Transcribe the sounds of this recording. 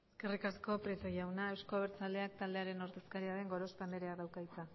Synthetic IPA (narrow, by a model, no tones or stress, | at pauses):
eske̞rikasko̞pɾet̪ojawnae̞wsko̞βeɾt͡sald̪e̞ak̚t̪ald̪e̞aɾe̞no̞ɾt̪e̞skaɾiaɾe̞ŋɡo̞ɾo̞st̪amd̪e̞ɾeaðawkait͡sa